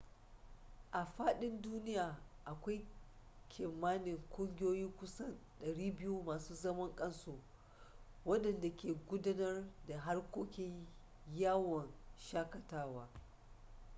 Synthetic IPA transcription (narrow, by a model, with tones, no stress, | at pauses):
ʔa˨ɸaː˦ɗɪ˦nduː˦nɪ˦jaː˨ʔa˨kʷa˦jkʲʰɪ˨mːaː˦nɪ˨ŋkʷʼʊ˦ŋɡʲɪ˦joː˦jiː˦kʷʊ˦sɐ˦˨nɗɐ˨ɽiː˦bɪ˦ju˦maː˨suː˦zɐ˦mɐ˦ŋkʼɐ˦nsuː˦ | wɐ˦ɗɐ˨nda˨kʲeː˨ɡʷʊ˦da˦nɐ˦rda˨ɦa˦rkʷoː˦kʲɪ˦ɲ | jaː˦wɔ˨nʃaː˦kɐ˨taː˦waː˦